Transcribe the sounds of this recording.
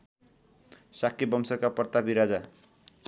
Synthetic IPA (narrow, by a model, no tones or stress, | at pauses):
sakːibʌmsʌkapʌrt̪abʱiɾad͡za